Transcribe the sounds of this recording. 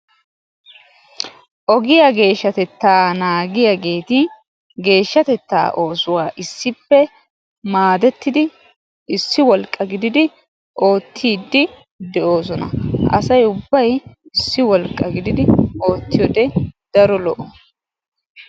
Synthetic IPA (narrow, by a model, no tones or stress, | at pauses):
ʔɔɡɪjaɡe̞ːʃːɐt̪ɛt̪ːaːnaːɡɪjaɡe̞ːt̪ɪ | ɡe̞ːʃːɐt̪ɛt̪ːa̰ːʔo̞ːsʊwaːʔɪsːɪpːɛ | maːd̪ɛt̪ːɪd̪ɪ | ɪsːɪwɔlkʼːɐɡɪd̪ɪd̪ɪ | ʔo̞ːt̪ʰːiːd̪ːɪ | d̪ɛʔo̞ːs̬ɔnɐ̰ʔɐ̰sɐjʊbːɐjɪsːɪwɔlkʼːɐɡɪd̪ɪd̪ɪo̞ːt̪ːɪjɔd̪ɛd̪̥ɐɾɔlɔʔɔ